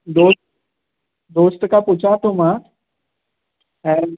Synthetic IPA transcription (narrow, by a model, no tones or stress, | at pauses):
d̪oː | d̪oːst̪kʰãpʊt͡ɕʰaːʈ̪ʰõmã | ɛ̃ː